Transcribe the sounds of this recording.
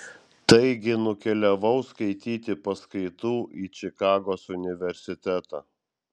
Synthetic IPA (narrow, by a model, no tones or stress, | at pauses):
t̪ɐɪɡʲɪnʊkʲɛlʲɛʋɐʊskɐɪt̪ʲiːt̪ʲɪpɐskɐɪt̪uːʔiːt͡ʃʲɪkɑːɡoːsʊnʲɪʋʲɛɾʲsʲɪt̪ʲæt̪ɑ̰ː